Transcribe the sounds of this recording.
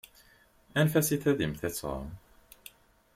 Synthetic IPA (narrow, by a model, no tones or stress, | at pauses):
ænfæsiθæðimθæt͡sːʁɑ̰